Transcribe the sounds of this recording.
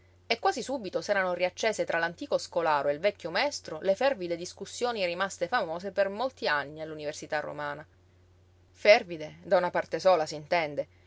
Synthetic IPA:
ekːwaːzisuːbit̪osɛːɾanoriat͡ʃːeːzet̪ɾʔalant̪iːkoskolaːɾoelvɛkʰʲːomaɛst̪ɾolefɛrvid̪ed̪iskusːjoːnirimast̪efamoːzepermolt̪ianːialːuniversit̪arːo̰maːna | fɛrvid̪ed̪aunapart̪esoːlasint̪ɛnd̪e

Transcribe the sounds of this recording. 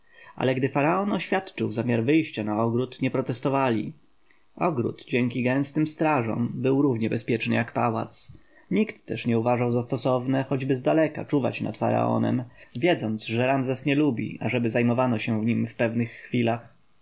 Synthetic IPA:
ʔa̰lɛɡd̪ɘfaɾaɔnɔɕfʲjat̪t͡ʂɘwzamʲjaɾvɘjɕt͡ɕanaɔɡɾut̪ɲɛpɾɔt̪ɛst̪ɔvalʲḭ | ɔɡɾṵt̪d͡ʑɛŋkʲiɡɛ̃w̃st̪ɘmst̪ɾaʐɔ̰̃mbɘwɾuvɲɛbɛspʲjɛt͡ʂnɘjakpawa̰t̪s | ɲikt̪ːɛʂɲɛuvaʐawzast̪ɔsɔvnɛxɔd͡ʑbɘzd̪alɛka̰t͡ʂuva̰t͡ɕna̰t̪fa̰ɾa̰ɔ̰nɛ̰mvʲjɛd̪zɔnd̪zʐɛɾamzɛsɲɛlubʲḭʔaʐɛbɘzajmɔvanɔɕɛvɲimfpɛvnɘxːfʲilax

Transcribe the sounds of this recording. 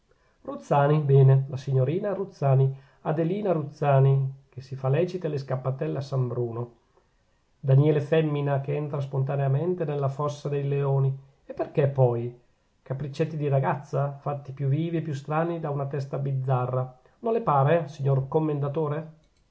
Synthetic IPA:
rut̪sːaːnibɛːnelasiɲːoɾiːnaɾut̪sːaːni | ad̪eliːnaɾut̪sːaːnik̟esifalɛːt͡ʃit̪eleskapːat̪ɛlːeasambɾuːno | d̪anjɛːlefɛmːinakeɛnt̪ɾaspont̪̬aneamɛnt̪enelːafɔsːad̪ejleoːni | epːerk̟epːɔj | kapɾit͡ʃːet̪ːid̪iɾaɡat̪sːafat̪ːipjuviːviepːjust̪ɾaːnid̪aunat̪ɛst̪abid̪zːarːa | nonlepaːɾesiɲːorkomːend̪at̪oːɾe

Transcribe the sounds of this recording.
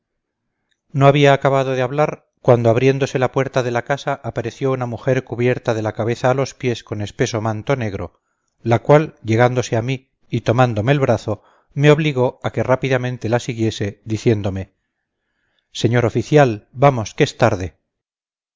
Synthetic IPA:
no̞aβiaːkaβaðo̞ðeaβlaɾ | kwand̪oaβ̞ɾje̞nd̪o̞se̞lapwe̞ɾt̪aðe̞lakasaʔːpaɾe̞θjo̞unamuxe̞ɾkuβje̞ɾt̪aðe̞lakaβe̞θaːlo̞spje̞sko̞ne̞spe̞so̞mãnt̪o̞neɣɾo̞̰ | lakwalʝe̞ɣand̪o̞seamiː | t̪omand̪o̞me̞ːlβɾaθo̞ | me̞o̞β̞liɣo̞ake̞rapiðamẽnt̪e̞lasiɣje̞se̞ðiθje̞nd̪o̞me̞ | se̞ɲo̞ɾo̞fiθjalbamo̞skeest̪aɾðe̞

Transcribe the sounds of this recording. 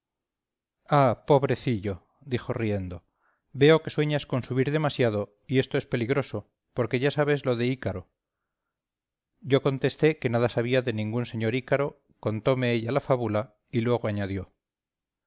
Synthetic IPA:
apo̞βɾe̞θiʎo̞ | d̪ixo̞rie̞nd̪o̞ | be̞o̞ke̞swe̞ɲasko̞nsuβiɾðe̞masjaðo̞ | ie̞st̪oespe̞liɣɾo̞so | po̞ɾke̞ʝasaβe̞zlo̞ðe̞ikaɾo̞ | ɟ͡ʝo̞ko̞nt̪e̞st̪e̞ke̞naðasaβ̞iaðe̞nĩŋɡunse̞ɲo̞ɾikaɾo̞ | ko̞nt̪o̞me̞eʎalafaβula | ilwe̞ɣ̞oaɲaðjo̞

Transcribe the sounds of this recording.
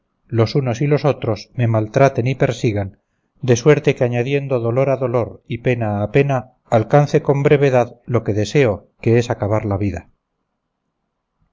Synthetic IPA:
lo̞suno̞silo̞so̞t̪ɾo̞sme̞malt̪ɾat̪e̞nipe̞ɾsiɣan | d̪e̞swe̞ɾt̪e̞keaɲaðje̞nd̪o̞ðo̞lo̞ɾaðo̞lo̞ɾipe̞naːpe̞naː | lkan̟θe̞ko̞mbɾe̞β̞e̞ðaðlo̞ke̞ðe̞se̞oke̞e̞sakaβaɾlaβiða

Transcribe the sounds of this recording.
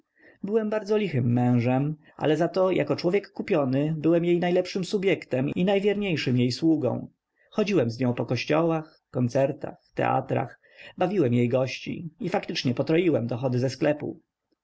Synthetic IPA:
bɘwɛmbaɾd̪zɔlʲixɘmːɛ̃w̃ʐɛm | ʔa̰lɛzat̪ɔjʔa̰kɔt͡ʂwɔvʲjɛkːupʲjɔnɘbɘwɛmjejnajlɛpʂɘmsubʲjɛkt̪ɛminajvʲjɛɾɲejʂɘmjejswuɡɔ̰̃w̃ | xɔd͡ʑiwɛmzɲɔ̃w̃pɔkɔɕt͡ɕɔwax | kɔnt̪sɛɾt̪a̰xft̪ɛ̰ʔa̰t̪ɾa̰x | bavʲiwɛmjejɡɔɕt͡ɕḭifakt̪ɘt͡ʂɲɛpɔt̪ɾɔjiwɛmd̪ɔxɔd̪ɘzɛsklɛpṵ

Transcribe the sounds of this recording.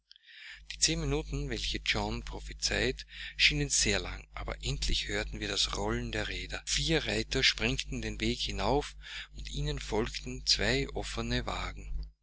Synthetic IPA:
d̥iːt͡seːnminuːtn̩vɛlçəd͡ʒɔnpʁ̥ofit͡saɪtʃiːnənz̥eːɐla̰ŋʔa̰ːbɐ̰ʔɛntʰlɪ̰çhøːɐtn̩viːɐdasʁɔlndeːɐʁeːdɐfiːɐʁaɪtɐʃpʁ̥ɛŋktn̩deːnveːkhɪnaʊf | ʊntʔiːnənfɔlktn̩t͡sv̥aɪʔɔfənəva̰ːɡŋ̩

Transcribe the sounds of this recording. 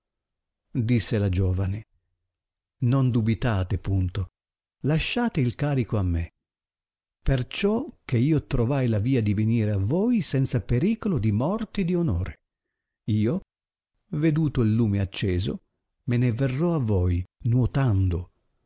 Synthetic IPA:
d̪isːelad͡ʒoːvane | nond̪ubit̪aːt̪epunt̪o | laʃːaːt̪eilkaːɾikoamːe | pert͡ʃɔk̟ːeiːot̪ɾovajlaviːad̪iveniːɾeavojsɛnt̪sapeɾiːkolod̪imɔrt̪id̪ionoːɾe | iːo | ved̪uːt̪oilːuːmeat͡ʃːɛːzo̰ | meneverːɔavːojnwot̪and̪o

